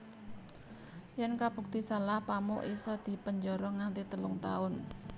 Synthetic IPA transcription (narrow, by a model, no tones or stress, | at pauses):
jɛnkab̥ṳk̚t̪isalahpamʊ̰ʔisɔd̪̥i̤pəɲd͡ʒɔɾɔŋant̪it̪əlʊŋt̪a̰ʊn